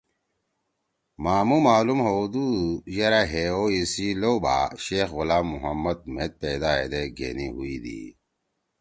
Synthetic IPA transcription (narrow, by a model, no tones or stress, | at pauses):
maːmumaːlumhod̪ujɐɾaɦeoisiloba̰ɕeːxɣulaːmːuɦɐmːɐd̪̚met̪̚peːd̪aːḛd̪eɡḛniɦuid̪ḭ